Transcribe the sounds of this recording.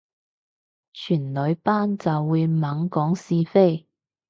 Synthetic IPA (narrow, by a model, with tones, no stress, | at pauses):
t͡ʃʰyː˨˩nlɵ˨˧ɥpaː˥nt͡sɐ˨wːuː˨˧jmɐ˨˥ŋkɔː˨˥ŋsiː˧fe˥j